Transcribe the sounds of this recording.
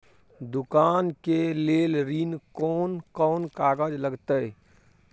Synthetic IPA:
d̪ʊkaːnkeleːlɾinkɔːnkɔːnkaːɡəd͡ʒləɡt̪ə

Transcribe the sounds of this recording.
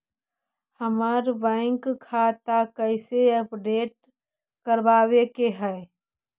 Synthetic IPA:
həməɾbɛ̃ɪŋkʰːaːt̪akəɪseəpɖeːʈ̚ | kəɾbaːwekeɦɛː

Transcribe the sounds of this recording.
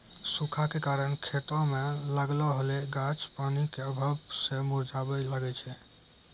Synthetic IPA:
sukʰakekaɾənkʰet̪ɔ̃meləɡlɔɦəleɡat͡ʃpanikeəbʱəbsẽmuɾd͡ʒʱabɛləɡɛt͡ʃʰɛ

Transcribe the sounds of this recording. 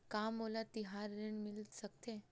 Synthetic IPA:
kamːolat̪iɦaɾːeɳmilət̪sək̚t̪e

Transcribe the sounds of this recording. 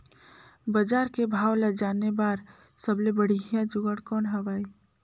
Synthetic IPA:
bəd͡ʒaːɾkebʱaːwlad͡ʒaːnebaːɾ | səblebəɽ̤iɦijãd͡ʒʊɡəɽkɔːnɦəʋaːi

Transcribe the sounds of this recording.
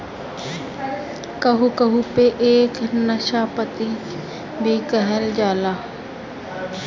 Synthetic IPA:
kɐɦukɐɦupeʔeːknɐʃaːpət̪i | bʱikəɦəld͡ʒaːlaː

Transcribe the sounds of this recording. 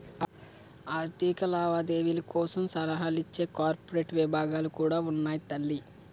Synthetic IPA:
aːɾt̪iːkɐlaːʋaːd̪eːʋilɐkɔːsɐmsɐlɐɦaːlit͡ʃːe̞ːkaːɾpoɾe̞ːʈʋibʱaːɡaːlukuːɽaːunːaːjit̪ɐlːi

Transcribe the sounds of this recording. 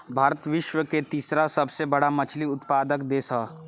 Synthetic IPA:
bʱaːɾət̪ʋɪʃwəket̪iːsɾasɐbsebɐɽamɐt͡ʃʰliʊt̪paːd̪əkd̪eːsaː

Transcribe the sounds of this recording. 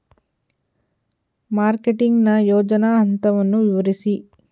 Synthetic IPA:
maːɾkeʈiŋɡnɐjoːd͡ʒɐnaɦɐnt̪ɐʋɐnːuʋiʋɐɾisi

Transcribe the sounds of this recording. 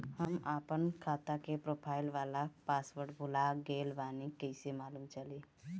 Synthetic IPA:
həmaːpənkʰaːt̪akepɾoːpʰaːɪlʋaːlapaːsʋəɾʈbʱʊlaɡeːlʋaːnikɛɪsemaːluːmt͡ʃəleː

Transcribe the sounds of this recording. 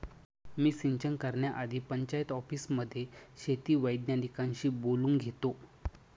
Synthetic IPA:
miːsiɲt͡ɕəŋkəɾɳjaʔad̪ʱiːpəɲt͡ɕajt̪ɔfiːsməd̪ʱːjeɕet̪iːʋəjɖnjaʈikãɲɕiːboluːŋɡɡʱet̪o

